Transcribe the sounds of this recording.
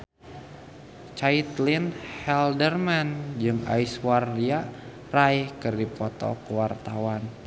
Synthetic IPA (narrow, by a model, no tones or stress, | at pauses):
t͡ʃait̪linhɛldərmand͡ʒɨŋa̰iswardia | raihkɨrdipɔt̪ɔ̰kəwart̪awan